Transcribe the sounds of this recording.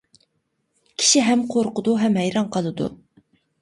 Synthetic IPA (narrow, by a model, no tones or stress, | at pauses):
kʲʰi̥ʃiɦɛmqʰoɾqʊd̪uɦɛmɦɛjɾɑŋqʰəlˠɨd̪ṵ